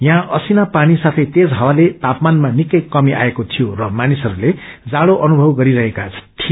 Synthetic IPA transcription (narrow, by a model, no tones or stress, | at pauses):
jãʔʌsinapaɽ̃isat̪ʰʌjt̪esɦawalet̪apmanmanikʌjkʌmiʔa̰ekot̪ʰijorʌmanisʌɾuled͡zaɽoʔʌnubʱʌwɡʌɾiɾʌɦekat͡sʰʌ̥t̪ʰi